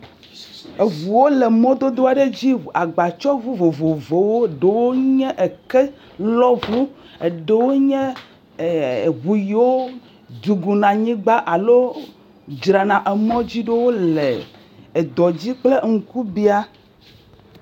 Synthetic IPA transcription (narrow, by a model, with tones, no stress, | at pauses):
e˨vu˨wo˦lɛ˨mɔ̃˦d̪o˦d̪o˦a˨ɖe˦d͡ʑi˦˨a˨ɡ͡ba˨t͡ʃɔ˦vu˦vo˨vo˨vo˨wo˦˨ɖe˨wo˦ɲɛ̃˦ʔe˨kɛ˦ | lɔ˦vu˦ | e˨ɖe˦wo˦ɲɛ̃˦˨ | βu˨ji˨wo˦ | d̪u˨ɡu˨nã˨ɲĩ˦ɡ͡ba˦ʔa˨lo˦ | d͡ʒɾa˨nã˨ʔe˨mɔ̃˦d͡ʑi˦ɖe˦wo˦le˨ | e˨d̪ɔ˨d͡ʑi˦k͡ple˦ŋ̩˨ku˦bi˦a˦